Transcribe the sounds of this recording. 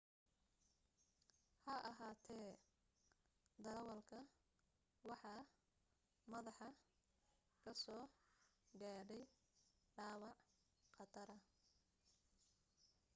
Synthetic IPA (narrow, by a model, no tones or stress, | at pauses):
hɐɐɦaːt̪ʰɛː | d̪ɐɾɐwɐlkʰɐ | wɑħɑː | mɐðɑħɑ | kʰɐsɔː | ɡaːɖɛj | ɖɑːwɑʕ | qɑt̪ʰɐɾɐ